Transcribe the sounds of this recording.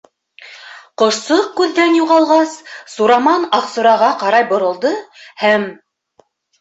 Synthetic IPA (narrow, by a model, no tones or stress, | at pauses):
qŏʃsɤq̚kʉðːænjuʁɑlˠʁɑssuɾɑmɑnɑqsŏɾɑʁɑqɑɾɑjbŏɾɤ̆lˠd̪ɤhæm